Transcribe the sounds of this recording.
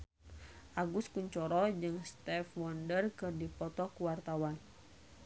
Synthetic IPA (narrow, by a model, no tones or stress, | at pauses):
ʔaɡuskuɲt͡ʃɔɾɔd͡ʒɨŋst̪ɛfwɔndərkɨrdipɔt̪ɔkuwart̪awan